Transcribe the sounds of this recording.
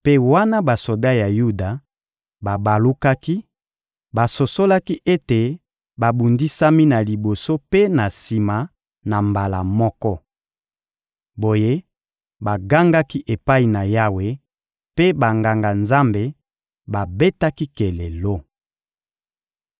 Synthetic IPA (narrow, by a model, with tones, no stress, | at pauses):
pe˦wa˦na˦ba˨so˨da˦ja˨ju˦da˨ | ba˨ba˨lu˦ka˦ki˦ | ba˨so˨so˦la˦ki˦ʔe˦te˨ | ba˨bu˨ndi˦sa˦mi˦na˨li˨bo˨so˦pe˦na˨si˨ma˨ | na˨mba˨la̰˨mɔ˦kɔ˦ | bo˨je˦ | ba˨ɡa˦ŋɡa˦ki˦ʔe˨pa˦i˨na˨ja˦we˦ | pe˦ba˨ŋɡa˨ŋɡa˨nza˦mbe˦ | ba˨be˦ta˦ki˦ke˨le˨lo˦